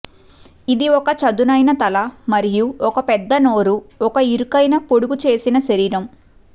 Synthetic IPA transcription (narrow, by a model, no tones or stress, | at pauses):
id̪iɔkɐt͡ʃɐd̪unɐjnɐt̪ɐlɐmɐɾijuɔkɐpɛd̪ːɐno̞ːɾuɔkɐiɾukɐjnɐpoɽuɡut͡ʃe̞ːsinɐʃɐɾiːɾɐm